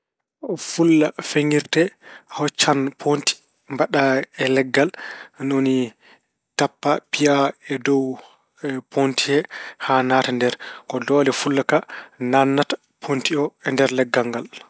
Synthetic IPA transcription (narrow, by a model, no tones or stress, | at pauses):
fulːafeŋiɾtɛhɔt͡ʃːanpʰonti̥ | mbaɗaɛlɛɡːalnoni | tapːapiaɛdɔw | pʰontʰiɛhanatandɛɾkɔdɔlɛfulːakananːatḁ | pʰontiɔɛndɛɾlɛɡːaŋɡal